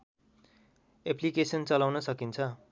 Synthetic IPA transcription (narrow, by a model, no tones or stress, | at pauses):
eplikesʌnt͡sʌlawnʌsʌkint͡sʰʌ